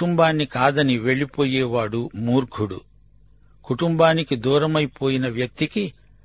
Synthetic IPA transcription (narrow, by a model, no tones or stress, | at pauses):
umbaːnːikaːd̪ɐniʋe̞ɭipo̞ːjɛːʋaːɽumuːɾɡʰʱuɽṵ | kuʈumbaːnikid̪uːɾɐmɐjpo̞ːjinɐʋjɐk̚t̪iki